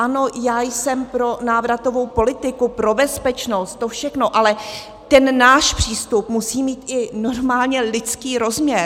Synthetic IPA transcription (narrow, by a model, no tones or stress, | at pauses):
ʔano̞jaːjsɛmpɾo̞naːvɾat̪o̞vo̞wpo̞lɪt̪ɪkupɾo̞bɛspɛt͡ʃno̞st̪̚t̪ːofʃɛxno̞ʔalɛ | t̪ɛnːaːʃpr̥iːst̪upmusiːmiːt̪ʔɪno̞ɾmaːlɲɛlɪt͡skiːɾo̞zmɲɛɾ